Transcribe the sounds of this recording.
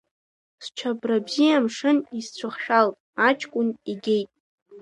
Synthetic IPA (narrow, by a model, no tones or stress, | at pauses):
st͡ʃʷʰabrabzijamʂɨnist͡ɕʷʰʊχʃᶣalʼ | at͡ʃʰʼkʷʼʊniɡʲe̞jtʼ